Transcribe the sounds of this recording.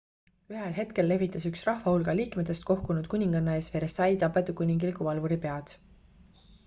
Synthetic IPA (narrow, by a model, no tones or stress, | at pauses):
yɦelɦe̞t̪ke̞lːe̞vit̪ːˑɑsyksrɑhvɑhulɡ̥ɑliːkmet̪ːˑe̞st̪̚ko̞hkunud̪̥kunʲiŋɡ̥ɑnːɑe̞ːsfe̞ɾesɑjt̪ɑpːˑe̞t̪ukunʲiŋɡ̥ilkuvɑlvuɾipe̞ɑd̪̥